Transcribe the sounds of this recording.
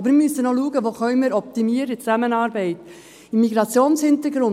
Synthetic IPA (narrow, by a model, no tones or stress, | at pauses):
bəɾmɪmysənɔluəɡəʋoːχœʏmiɾɔp̚t̪imiəɾət͡sæmənɑːɾbɛɪt | imːiɡɾɑt͡sjoːnshɪnt̪əɾɡɾʊn